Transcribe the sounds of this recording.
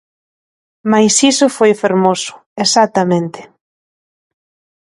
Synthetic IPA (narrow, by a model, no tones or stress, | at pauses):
majsisʊfojfeɾmosʊ̥esat̪amẽnt̪ɪ̥